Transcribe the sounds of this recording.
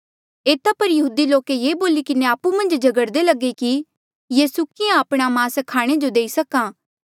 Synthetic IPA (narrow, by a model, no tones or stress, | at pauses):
eːt̪apɐɾjɐɦuːd̪iloːkejeːboːlikɪneaːpumɐ̃nd͡ʒd͡ʒɐɡəɽd̪elɐɡːeki | jeːsʊkɪjãɐpɽ̃amãːskʰaːɽ̃ed͡ʒod̪eːisɐkãː